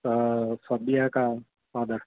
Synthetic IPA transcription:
fɐbijaka | aːd̪əɾ

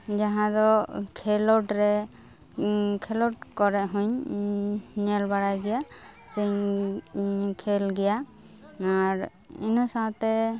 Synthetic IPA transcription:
d͡ʒaɦãd̪ɔkʰɛlɔʈɾɛ | kʰɛlɔʈ̚kɔɾɛʔɦũɲ | ɲɛlbaɽajɡɛjasiɲ | kʰɛlɡɛja | aɾ | ḭnɔsãt̪ɛ

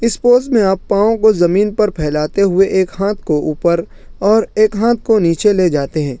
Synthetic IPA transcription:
ɪspoːzmẽaːpːãːõkozɐmiːnpɐɾpʰɛːlaːt̪eɦʊeʔeːkɦãːt̪̚ʰkoʔuːpəɾ | ɔːɾeːkɦãːt̪̚ʰkoniːt͡ʃeleːd͡ʒaːt̪eɦɛ̃ː

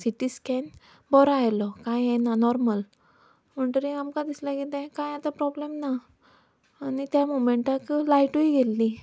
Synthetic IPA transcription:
siʈiskɛn | bɔɾajlɔkãjjɛnanɔɾməl | m̤əɳt̪əɾĩamkãd̪islaɡit̪ẽkãjat̪apɾɔblemnaː | nit̪jamomeɳʈaklajʈuiɡelːi

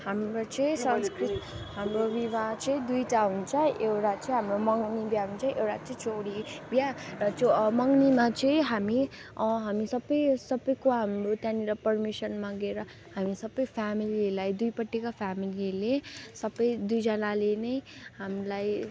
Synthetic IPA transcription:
hamɾot͡sʌĩsʌnskritɦamrobibat͡sʌĩd̪ujʈaɦunt͡sʰʌʔewʈat͡sʌ̃ĩɦamromʌŋnibjaɦunt͡sʰʌ̃ʔewʈat͡sʌĩt͡soɽibjarʌt͡somʌŋnimat͡sʌĩɦamiɦamisʌbːʌjsʌbʌjkoɦamɾot̪jãniɾʌpʌrmisʌnmaɡeɾʌ | hamisʌbːʌjpʰamililajd̪ujpʌʈːikapʰamililesʌbʌjd̪ujd͡zʌnalenʌjhamlaj

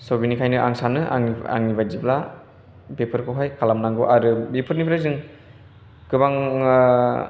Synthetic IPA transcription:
sobinikʰajnɯʔa̰ŋsanɯʔa̰ŋia̰ŋnibazibla | bepʰɯɾkʰɯwɦajkʰalamnaŋɡoʔaɾɯbepʰɯɾnipʰɾajzɯŋ | kɯbaŋ

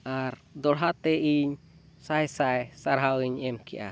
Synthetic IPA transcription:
ʔaɾd̪ɔlɦat̪ɛʔiɲ | sajsajsaɾɦawiɲɛmkɛ̰ʔa̰

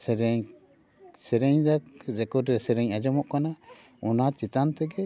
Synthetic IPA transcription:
sɛɾɛɲ | sɛɾɛɲzakɾɛkɔɖɾɛsɛɾɛɲad͡ʒɔmɔʔkana | unat̪̚t͡ʃit̪ant̪ɛɡɛ

